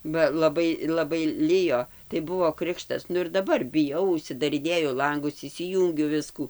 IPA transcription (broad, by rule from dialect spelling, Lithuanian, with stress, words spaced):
bɐ lˠɐˈbɐɪ lˠɐˈbɐɪ ˈlʲɪjoː tɐɪ ˈbʊʋoː ˈkrʲɪkʃtɐs ˈnʊ ɪr dɐˈbɐr bʲɪˈjɛʊ ʊʃʲsʲɪdɐrʲɪˈnʲeːjʊ ˈlˠɐŋɡʊs ɪʃʲsʲɪˈjuːŋʲɡʲʊ ˈʋʲɪskuː